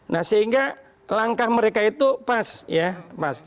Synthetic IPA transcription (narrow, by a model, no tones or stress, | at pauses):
nahsəɦiŋɡa | laŋkahməɾekait̪upasjapas